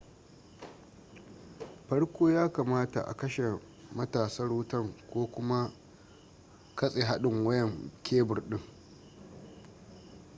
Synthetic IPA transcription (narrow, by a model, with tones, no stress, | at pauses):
ɸɐ˦ɽkʷoː˦jaː˦kaː˨maː˦ta̰˨ʔa̰˨kɐ˦ʃe˨ | mɐ˦taː˨sɐ˦rwʊ˦tɐ˦˨ŋkʷoː˦kʷʊ˦ma˦ | kɐ˦sʼe˨ɦa˦ɗɪ˨ŋwɐ˦jɛ˨ŋkʲʰeː˦bʊ˨rɗɪ˦ŋ